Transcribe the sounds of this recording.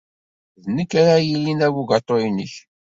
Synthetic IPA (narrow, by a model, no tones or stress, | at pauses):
ðnəkːaɾajilinæwuɡɑt̪ˤːoinəç